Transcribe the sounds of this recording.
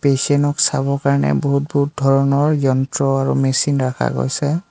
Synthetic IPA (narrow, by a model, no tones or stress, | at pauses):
pesɛnɔksabɔɹkaɹnɛ̰boɦut̚buut̚dʱɔɹɔnɔɹjɔntɹɔaɹṵmesinɹakʰa̰ɡo̰jsɛ